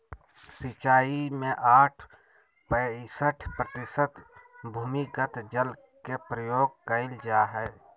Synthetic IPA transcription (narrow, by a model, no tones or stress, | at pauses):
sɪt͡ʃaːimẽʔaːʈʰ | pəsəʈʰpɾət̪ɪsət̪bʱuːmikət̪d͡ʒəl | kepɾəjoːɡ̚kəɪld͡ʒaːɦɛː